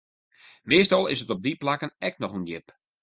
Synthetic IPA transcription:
meːstɑlˠɪ̰sətɔb̚diplakənɛk̚nɔxənjɪp

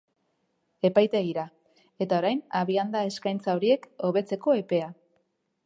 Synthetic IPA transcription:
e̞pajt̪eɣiɾa | e̞t̪aoɾajnaβiand̪ae̞skajnt͡sao̞ɾie̞ko̞β̞e̞t͡se̞ko̞e̞pe̞a

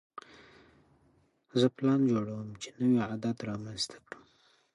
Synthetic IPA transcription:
zəplɑnd͡ʒoɽawəmt͡ʃe̥nəwiad̪ad̪ɾɑmanzt̪ʰḁkɽu

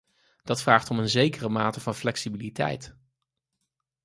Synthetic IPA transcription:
d̥ɑtfraːχtɔmənzejkərəmaːtəv̥ɑnflɛksibilitɛ̰jt

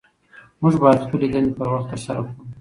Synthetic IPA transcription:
muʒbɑjad̪xpəled̪ənepəɾwaxt̪əɾsaɾakɽu

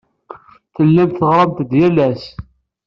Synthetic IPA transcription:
θəlːæmt̪θəʁɾˤɑmt̪d̪jælæs

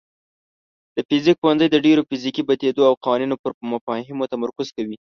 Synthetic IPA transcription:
d̪̥əfɪzik̚xoanzəjd̪əɖeɾofizikibat̪ed̪oawqɑwɑninopəɾmafɑɦɪmot̪amaɾkʊz̥kawi

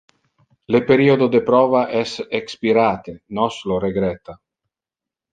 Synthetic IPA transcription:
lepeɾiod̪od̪epɾɔːvaʔɛsekspiɾaːt̪enɔsloɾeɡɾɛt̪a

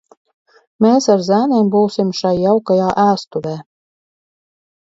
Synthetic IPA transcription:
mʲeːsaɾzæːnʲembuwsimʃajːawkajaːʔæːst̪uvʲæː

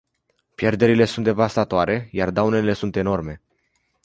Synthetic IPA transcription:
pje̞rd̪e̞ɾile̞sunt̪d̪e̞vast̪at̪oaɾʔe̞jard̪awne̞le̞sunt̪e̞no̞rme̞

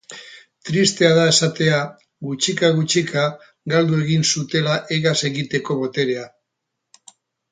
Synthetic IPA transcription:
t̪ɾist̪e̞aðae̞sat̪e̞a | ɣut͡ʃikaɣut͡ʃikʰa | ɡald̪ue̞ɣinsut̪e̞laʔeɣase̞ɣit̪e̞ko̞βo̞t̪e̞ɾe̞a

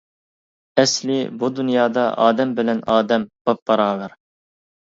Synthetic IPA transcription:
ɛslɪbud̪unjɑːd̪ɑʔɑ̰ːd̪ɛmbɪlɛnɑːd̪ɛmb̥op̚bɑɾɑːlɑɾ

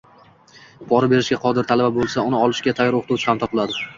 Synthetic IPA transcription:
bʰɒɾɪbe̞ɾɪʃkʲaqʰɒd̪ɪɾt̪ʰalababolˠsaʊnɪɒlˠɪʃkʲat̪ʰajɒɾoqʰt̪uwt͡ʃʰɪhamt̪ʰɒplˠad̪ɪ

